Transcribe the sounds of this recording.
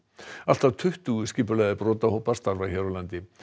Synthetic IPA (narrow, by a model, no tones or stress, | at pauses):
al̥t̪avt̪ʰʏht̪uscɪːpʏlaðɪpɾɔːt̪ahowpḁst̪aɾvaçaɾʏlant̪ɪ